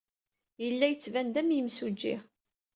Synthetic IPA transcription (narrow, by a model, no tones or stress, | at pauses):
jəlːæjət͡sːvænd̪æmjəmsud͡ʒːḭ